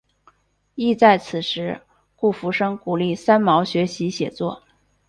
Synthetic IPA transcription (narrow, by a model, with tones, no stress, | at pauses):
i˥˧t͡sa˥˩ɪt͡sʰɹ̩˨˩ʂɻ̩˧˥ | ku˥˩fu˧˥ʂɤ˥ŋku˨˩li˥˩sa˥nmɑ˧˥ʊɕɥɛ˧˥ɕi˧˥ɕjɛ̰˨˩t͡swɔ˥˩